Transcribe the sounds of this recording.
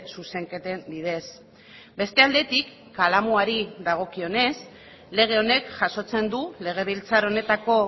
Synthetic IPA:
suse̞ŋke̞t̪e̞nd̪iðe̞s | be̞st̪e̞ald̪e̞t̪ikːalamuaɾiðaɣ̞o̞kio̞ne̞s | le̞ɣ̞e̞o̞ne̞kʝaso̞t͡se̞nd̪ule̞ɣ̞e̞βilt͡saɾo̞ne̞t̪ako̞

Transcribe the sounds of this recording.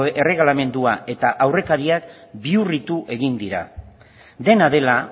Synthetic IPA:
e̞re̞ɣlame̞nd̪uaʔe̞t̪aʔawre̞kaɾiak̚biurit̪uʔe̞ɣ̞ind̪iɾa̰ | d̪e̞naðe̞la

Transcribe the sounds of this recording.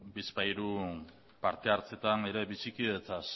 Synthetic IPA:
bispajɾu | paɾt̪e̞aɾt͡se̞t̪ane̞ɾe̞βisikiet͡s̪as

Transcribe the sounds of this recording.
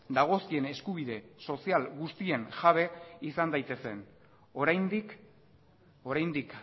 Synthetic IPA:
d̪aɣ̞o̞skie̞ne̞skuβ̞iðe̞so̞sialɣust̪ie̞ŋʝaβe̞isand̪ajt̪e̞se̞n | oɾajnd̪ik | o̞ɾajnd̪ik

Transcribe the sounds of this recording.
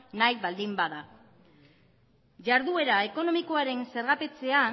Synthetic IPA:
najβald̪imbaða | ʝaɾðue̞ɾae̞ko̞no̞miko̞aɾe̞nse̞ɾɣape̞t͡se̞a

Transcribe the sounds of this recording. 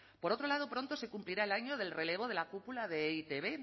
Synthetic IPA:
po̞ɾo̞t̪ɾo̞lað̞opɾo̞nt̪ose̞kumpliɾae̞laɲo̞ð̞e̞lre̞le̞β̞o̞ðe̞lakupulaðeit̪e̞βe̞

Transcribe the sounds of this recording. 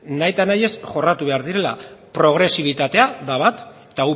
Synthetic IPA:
najt̪anaje̞sʝo̞rat̪uβe̞aɾðiɾe̞la̰pɾo̞ɣ̞ɾe̞siβ̞it̪at̪e̞aðaβat̪ | t̪au

